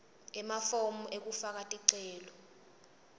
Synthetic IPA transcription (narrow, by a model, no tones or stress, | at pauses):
ɛmafomuʔek̬ufak̬ʼatʼiǀɛːlɔ